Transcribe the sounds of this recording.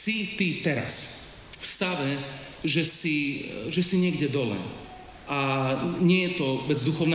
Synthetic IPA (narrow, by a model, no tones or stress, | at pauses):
sit̪it̪ɛɾa̰s | fst̪aʋɛ | ʒɛsiʒɛsiɲɪɛɡɟɛd̪ɔlɛ̰ː | aɲɪɛjɛt̪ɔbɛd͡zd̪uxɔʊn